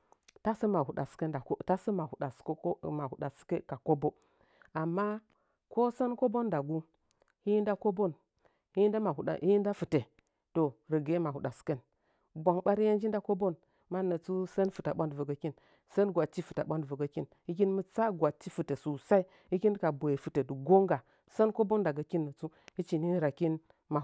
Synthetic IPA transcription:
ta˦sə˦ma˨hu˨ɗa̰˨ske˦a˨˦ta˦sə˦ma˨hu˨ɗa˨skma˨hu˨ɗa˨ske˦ka˨ko˦bo˦ | a˨mːa˦ | ko˦sə˦nko˦bo˦nda˨ɡu˦ | hi˦ji˦nda˦ko˦bo˦n | hi˦nda˦ma˨hu˨ɗa̰˨ʔi˦ji˦nda˦fɨ˨te˨ | to˨ɾə˨ɡe˦ma˨hu˨ɗa˨ske˦n | bʷa˨ŋɓa˦ɾi˦je˦nd͡ʒi˦nda˦ko˦bo˦n | ma˦nə˨t͡su˦sə˦nfɨ˨ta˨ɓa˦ndvə˨ɡə˨ki˦n | sə˦nɡʷa˨t͡ʃi˦fɨ˨ta˨ɓʷa˦ndvə˨ɡə˦ki˦n | i˦k̬i˦nmɨ˦t͡sa˦ɡʷa˨t͡ʃːi˦fɨ˨te˨su˨sa˦i˦ | i˦ki˦n˦ka˨bo˨je˨fɨ˨te˨du˨ɡo˦ŋɡa˨ | sə˦nko˦bo˦nda˨ɡa˨ki˦nːə˨t͡su˦i˦t͡ʃi˨ni˦ɾa˨ki˦n | ma˨

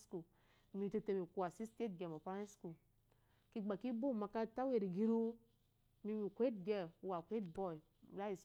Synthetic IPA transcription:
sku˨ | mi˨te˨te˨mi˨ku˨a˨si˦ste˦tɡe˨mo˨pa˦ɾe˦sku˨ | ki˦ɡ͡ba˨ki˦bu˦˨ma˨ka˦ta˦we˨ɾi˨ɡi˦ɾu˦ | mi˦mi˨kʷe˦t̚ɡe˦˨m˨˦wa˨kʷe˦tbɔ˦˨i˨ | la˦i˨s

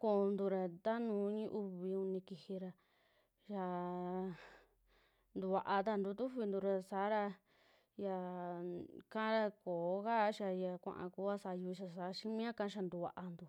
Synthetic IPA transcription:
ko˧nd̪u˧ɾa˧t̪a˦nũː˨˦ɲĩ˦ʔu˦˧βi˧u˧nĩ˧ki˧hi˧ɾa˧ | ʃa˧ | nd̪u˧βa˧ʔa˧t̪a˧nd̪u˧t̪u˦βi˧nd̪u˧ɾa˧saː˨˦ɾa˧ | ja˧ | kã˦ɾa˧koː˨˦ka˦ʃa˧ja˧kʷã̰˧ʔã̰˧ku˧˦a˦sa˧ju˧i˧ʃa˧sa˨˦ʃĩ˦mĩ˦ã˦kã˧˦ʃ̬a˧nd̪u˧βa̰˨˧ʔa˧nd̪u˨

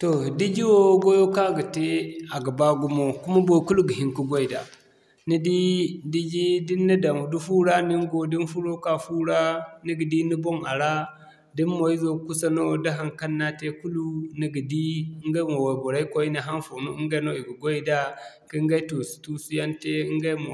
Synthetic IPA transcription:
to˨di˦d͡ʒi˦wo˦ɡo˦jo˦ka˦ɡa˨te˦a˨ɡa˨ba˦ɡu˦mo˦ku˦ma˦bo˦˨ku˦lu˦ɡi˨ɦi˦ŋku˦ɡo˦i˨da̰˨ | ni˦di˦di˦d͡ʒi˦di˦nːi˦da˨m˨du˦fu˦ɾa˦ni˦ŋ˦ɡo˨di˦nfu˦ɾo˦ka˦fu˦ɾa˦ni˦ɡi˨di˦ni˦bo˦ŋa˨ɾa˦ | di˦nmo˨i˦zo˦ku˦sa˦no˦da˦ɦa˨ŋka˦nːa˦te˦ku˦lu˦ni˨ɡi˨di˦ŋɡa˦mo˨wa˨bo˨ɾa˦i˦ko˦i˦na˨ɦa˦nfo˨nu˦i˦ɡa˦no˦i˨ɡi˨ɡo˦i˦da˦ | ki˦ŋɡa˦to˨su̥˨tu˦su˦ja˦nte˦i˦ŋɡa˦mo˨

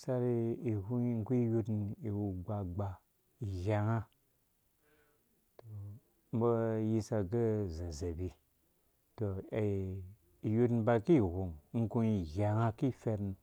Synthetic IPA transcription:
sa˧ɾi˧i˨hu˦ŋ̩˦ku˦i˦ju˦tn̩i˨wu˧ɡ͡ba˧ɡ͡ba˧ | i˨ɣʲa˨ŋa˦ | to˨ | m̩˦bo˦ji˧sa˧ɡə˦za˨ze˨bi˨ | to˨ | i˨ju˦tn̩ba˧ki˦˨ɦu˨ŋ˦ŋ̩˦ku˧i˨ɣʲa˨ŋa˦ki˦˨fe˧ɾn

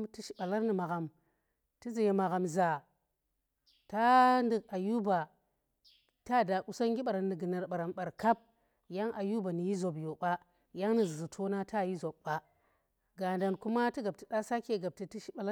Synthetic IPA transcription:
ti˦ʃi̥˨˦ɓa˨la˦ɾni˨ma˨ɣa˨m | ti˦zi˨je˨ma˨ɣa˨mza˨ | ta˦ndi˨ka˨ju˦ba˨ | ta˦˨da˨ku˨sa˦ŋɡʲi˦ɓa˨ɾa˨ni˨ɡi˨na˨ɾɓa˨ɾa˨mɓa˨ɾka˦b̚ | ja˦ŋʔa˨ju˦ba˨ni˨ji˦zo˨bjo˨ɓa˦ | ja˦ŋni˨zi˨zu˨tʰo˦na˦ta˦˨ji˦zo˨ɓːa˦ | ɡa˨nda˨nku˦ma˦ti˦ɡa˨b̚ti˨ɗa˦sa˦ke˦˨ɡa˨b̚ti˨ti˦ʃi˦ɓa˨la˦

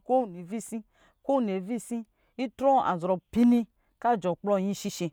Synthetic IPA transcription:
ko˦˨ni˨vi˦si˦ | ko˦˨ne˨vi˦sĩ˦ | i˦tɾɔ˦a̰˨zɾɔ˨pi˦nĩ˧ | ka˦˨d͡ʒɔ˨k͡plɔ˧˨jĩ˦ʃi˧ʃe˧

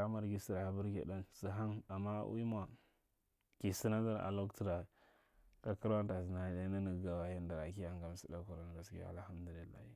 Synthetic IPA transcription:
a˦ma˨ɾɡi˦si˨ɾa˨bu˦ɾɡḭ˨da˦nsɦa˦ŋa˨ma̰˦ʔṵ˦i˦ma˨ | ki˨si˦na˦da˦ɾa̰˨lo˦kti˦ɾa˨ | ka˦ki˦ɾwa˦n˦ta˨zi˨na˨˦da˦na˦ni˨ɡɡa˨wa˨ji˦nda˨ɾa˨ki˦ja˨ŋɡa˨m˨si˦da˦ku˨ɾa˦n˨ɡa˨skḭ˦a̰˨lha˦mdu˨li˨lːa̰˦hi˦

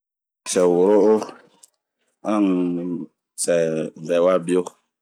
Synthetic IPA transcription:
sɛ˨wo˨ɾo˦ʔo˦ | ã˦˨ŋ | sɛ˨ɡɛ˨wa˦bi˦o˦

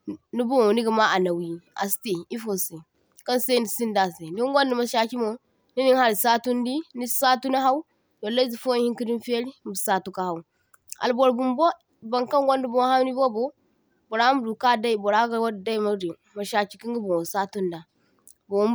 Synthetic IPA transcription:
nu˦bu˦mo˨ni˦ɡa˨ma˦ʔa˨na˨wi˨a̰˨ste˨i˦fo˨se˨ | ka˦nsa˦ni˨si˦nda˨se˨ndi˦ɡʷo˦ndi˨ma˨ʃa˨ki˦mo˨˦ | ni˦ni˦ŋha˦ɾi˨sa˦tu˦ndi˦ni˦sa˦tu˦na˦ɦa˦u˦ | do˨la˦zi˨fo˦hi˦ki˦di˦nfe˦ɾi˦m˨bi˨sa˦tu˦ka˨ha˨u˦ | a̰˨lbo˨ɾbu˨mbo˦ | ba˨ŋka˦nɡo˦ndi˦bo˦ha˦ni˦bo˦bo˦ | bo˨ɾa˦m˦du˨ka˦˨da˦i˨bo˨ɾa˦ɡa˨wa˦dda˦i˦˨ma˦ɾi˨ | ma˨ʃa˨ki̥˦ki˦ŋɡi˦bo˨wo˨sa˦tu˦nda˨ | bo˨wm

